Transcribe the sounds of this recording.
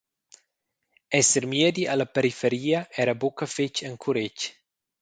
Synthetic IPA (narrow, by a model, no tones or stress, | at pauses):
ɛseɾmjed̪ialɐpeɾifeɾiːɐɛɾɐbokɐfet͡ʃeŋkʰuɾet͡ʃ